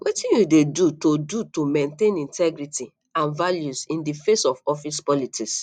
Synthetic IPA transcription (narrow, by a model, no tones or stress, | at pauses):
wʔitĩnjudedutodutomẽntẽnĩntɛɡɾiti | ãnvaljusĩndifesɔfɔfispɔlitikss